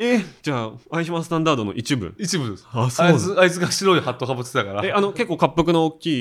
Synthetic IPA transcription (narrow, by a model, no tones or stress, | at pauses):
ed͡ʑaːaiɕimãsɨ̥t̪ãnd̪aːd̪o̞no̞̰ʔit͡ɕibɯ̟̰̃it͡ɕibɯ̟̃d̪esasoɨait͡sɨɡaɕiɾo̞ihat̪ːokapːɯt͡sɨ̥et̪akaɾaeano̞ke̞kːo̞ːkapːɯk̬ɯ̟nookʲːiː